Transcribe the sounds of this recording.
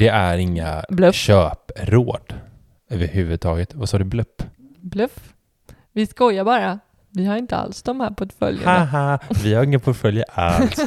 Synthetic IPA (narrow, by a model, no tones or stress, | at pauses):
d̪̥ɛæɾɪŋːa̰blɵɕøːpɾoːd̪̥ | øːvəɾhʉ̟ːvɵd̪̚t̪ʰɑːɡət̪vasɑːd̪ɵblɵpː | blɵf | vɪskɔjabɑːɾa | vɪhaɾɪnt̪əa̰lsd̪ɔmhæːɾpʰɔt̪fœ̰ljə̰haɦavɪhaɾɪŋːəpʰɔʈfœljaʔalt̪